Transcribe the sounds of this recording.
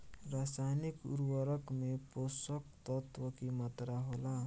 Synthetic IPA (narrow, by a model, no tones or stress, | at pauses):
rasajnikṵɾwʌɾʌkmeposʌkt̪ʌt̪wʌkimʌt̪ɾaɦola